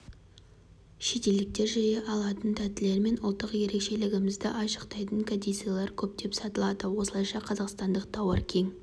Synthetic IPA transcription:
ʃe̞t̪e̞ld̪ɪk̚t̪e̞ɾʒɑɾeʔɑlˠɑt̪ənt̪ʰæt̪ɪle̞ɾme̞nʊlˠt̪ːəqje̞ɾe̞kʃe̞lɪɡʲɪmɪzd̪ɪʔɑʃə̥qt̪ɑjt̪əŋkʰod̪ejt̪sijalˠɑɾkʲʰɵp̚d̪e̞psɑt̪əlˠɑd̪əwo̞səlˠɑjʃɑqʰɑzɑqst̪ɑnd̪əq̚t̪ʰɑwɑɾkʲʰe̞ŋ

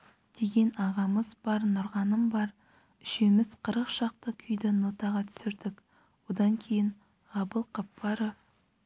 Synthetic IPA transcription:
d̪̥e̞ɡʲe̞nɑʁɑməzbɑɾnʊɾʁɑnəmbɑɾ | ʏʃemɪz̥qʰəɾəqʃɑq̚t̪əkʲʰʏjd̪ɪnot̪ɑʁɑt̪ʰʏ̥sɪɾd̪ɪk | wod̪ɑŋkʲʰe̞jɪɴ | ʁɑbəlˠqʰɑpːɑɾov

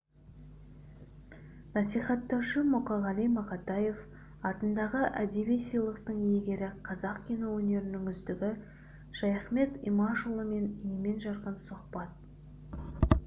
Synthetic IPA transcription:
nɑsijχɑt̪ːɑwʃəmʊqɑʁɑlˠijmɑqɑt̪ɑje̞f | ɑt̪ənd̪ɑʁəʔæd̪eβijsijlˠəqt̪əɴjeɡʲe̞ɾɪqʰɑzɑqkʲʰenowɵne̞ɾɪnɪŋʏzd̪ɪɡʲɪ | ʃɑjɑχme̞t̪ḭmɑʃulˠəme̞njeme̞nʒɑɾqənsʊχbɑt̪̚

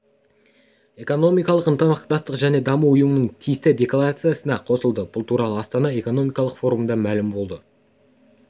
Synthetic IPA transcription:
e̞ko̞no̞mijkɑlˠəqənt̪əmɑqt̪ɑst̪əqʒæne̞d̪ɑmuʊjəmənəɴt̪ʲʰijɪst̪ɪd̪ʲe̞klˠaɾat̪sɨjasənɑqʰo̞səlˠd̪əbʊlˠt̪ʰuɾɑlˠəɑst̪ɑnɑe̞ko̞no̞mijkɑlˠəqfo̞ɾumd̪ɑmælɪmbo̞lˠd̪ə

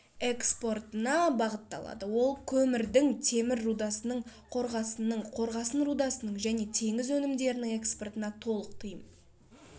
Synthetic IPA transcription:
e̞kspo̞rt̪ənɑbɑʁət̪ːɑ̰lˠɑ̰d̪əwo̞lˠkʲʰɵmɪɾd̪ɪŋt̪ʰe̞mɪɾːud̪ɑsənəɴqʰo̞ɾʁɑsənəɴqʰo̞ɾʁɑsənɾud̪ɑsənəɴʒæne̞t̪ʰe̞ŋɪzɵnɪmd̪e̞ɾɪnɪŋe̞kspo̞rt̪ənɑt̪ʰo̞lˠəq̚t̪ʰəjəm

